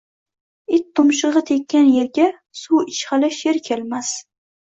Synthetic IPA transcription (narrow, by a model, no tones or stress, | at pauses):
ɪt̪ʰːʊmʃɨʁɨt̪ʰekʲʰːanjeɾɡʲa | suwɪt͡ʃχɑlɪʃeɾkʲʰelmas